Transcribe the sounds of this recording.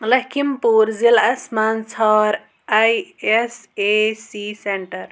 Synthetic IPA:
lɐkʰimpuːɾzilɐsmaːnt͡sʰɔɾ | ajesesiseɳʈɐɾ

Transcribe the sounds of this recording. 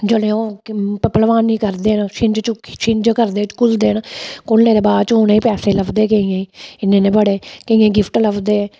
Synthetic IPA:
d͡ʒəlẽːoːpəlʋaːnːĩːkəɾd̪eːnːʃɪɲd͡ʒt͡ʃʃɪɲd͡ʒkəɾd̪eːt͡ʃkʊld̪eːnakʊlnẽːd̪eːbaːd̪t͡ʃoːnẽːiːpɛːseːləkd̪eːkeĩjẽːiːɪnːẽːnẽːbəɽeːkəĩːẽːɡɪpʰʈləkʰd̪eː

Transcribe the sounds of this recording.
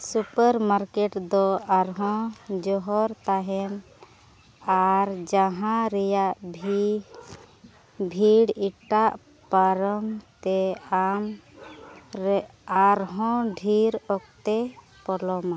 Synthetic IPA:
supəɾmaɾkeʈd̪ɔaɾɦɔ̃d͡ʒɔɦɔɾt̪aɦɛn | aɾd͡ʒaɦãɾɛjaʔbʱi | bʱiɽiʈaʔ | paɾɔmt̪ɛam | ɾaɾɦɔ̃ɖʱiɾɔkt̪e | pɔlɔma

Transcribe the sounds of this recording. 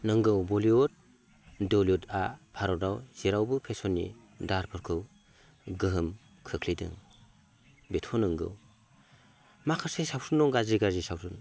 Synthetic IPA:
nɯŋɡɯwbɔliɔt̚ | dɔliɔta̰pʰaɾɔdawz̥iɾawbɯpʰesɔnːḭ | daɾpʰɯɾkʰɯw | ɡɯɦɯm | kʰɯkʰlidɯ̰ŋ | betʰɔnɯŋɡɯ̰w | makʰɯɾsesawsunːɔŋɡaziɡazisawsun

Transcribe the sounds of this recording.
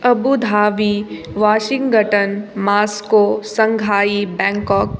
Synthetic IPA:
ɐbud̪ʱaːʋiː | ʋaːʃɪ̃ŋɡɡʱəʈənmaːskosɐ̃ŋɡʱaːibɛ̃ːŋkɔːk

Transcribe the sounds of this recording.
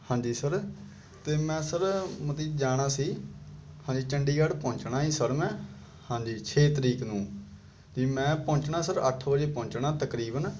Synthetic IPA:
hãːɲd͡ʒiːsəɾ | t̪eːmɛ̃ːsəɾmət̪iːd͡ʒaːɽ̃aːsiːhãːd͡ʒiːt͡ʃəɳɖiːɡəɽpɔ̃ːt͡ʃnaːĩːsəɾmɛ̃ː | hãːd͡ʒiːt͡ʃʰeːt̪əɾiːknũː | d͡ʒiːmɛ̃ːpɔ̃ːt͡ʃnaːsəɾə̰ʈʰbəd͡ʒeːpɔ̃ːɲt͡ʃɳaːt̪əkɾiːbən

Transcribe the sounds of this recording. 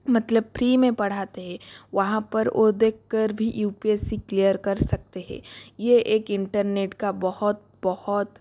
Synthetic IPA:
mɐt̪ləb̚pʰɾiːmẽpɐɽ̤aːt̪eɦɛ̃ʋɐɦãpɐɾʔod̪eːkʰkːəɾbʱijuːpiesiklijəɾkɐɾsɐk̚t̪eɦɛ̰̃ːjeeːkɪ̃ɳʈəɾneːʈkabɐhʊt̪̚ | bɐhʊt̪

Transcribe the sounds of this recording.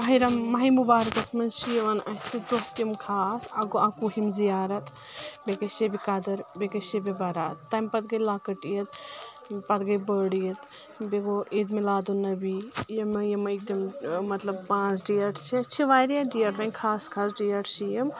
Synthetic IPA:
mɐɦiɾɐmːɐɦimubaːɾɐkɐsʰmɐnsijʋɐnɐsid̪oɦt̪jɐmkʰaːsɐɡoʔakuɦimzijaːɾɐt̪ | bekɐsebikɐd̪ɐɾbekɐsebibɐɾaːt̪ːɐmpɐt̪ɡɐjlaːkɐʈijɐt̪̚ | pɐt̪ɡɐjbəːɽijɐt̪ | beɡoid̪milaːd̪onɐbijɐmɐjɐmɐik̚d̪immɐt̪lɐb̚pãːt͡ʃʰɖijɐʈʰt͡ʃʰit͡ʃʰiʋaːɾjaɖijɐʈɾɐnʲkʰaːskʰaːsɖijɐʈsijɐm

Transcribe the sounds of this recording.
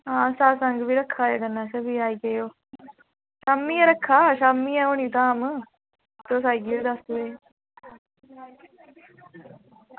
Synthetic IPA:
ɦãːsaːsəŋɡʋiːɾəkʰːaːjaːɡənːãːsəbiːaːiːkejoː | ʃaːmːiːɛːɾəkʰːaːʃaːmiːɛːoːniːt̪aːm | t̪oːsaːiɡid̪əsʋeː

